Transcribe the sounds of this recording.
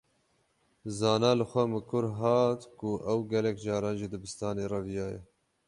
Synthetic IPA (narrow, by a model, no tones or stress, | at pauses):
zɑːnɑːlɨxʷɛmɨkʰʊɾɦɑːt̪kʊʔɛwɡɛlɛkd͡ʒɑːɾɑːnʒɪd̪ɨbɨst̪ɑːneːrɑvijɑːjɛ̰